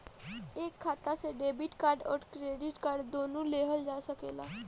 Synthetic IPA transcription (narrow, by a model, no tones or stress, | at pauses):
eːkʰːaːt̪aseɖeːbɪʈkaːɾɖɔ̰ːɾkɾeːɖɪʈkaːɾɖd̪oːnũleːɦəld͡ʒaːsəkḛːla̰ː